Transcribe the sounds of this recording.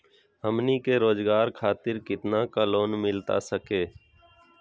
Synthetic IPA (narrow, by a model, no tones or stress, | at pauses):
ɦəmniːkeːɾoːzɡaːɾkʰaːt̪ɪɾkɪt̪naːkəloːnmɪlt̪a̰ːsəkeː